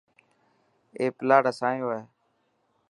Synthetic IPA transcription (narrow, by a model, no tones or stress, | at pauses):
eːplaːɽasãːjoːeː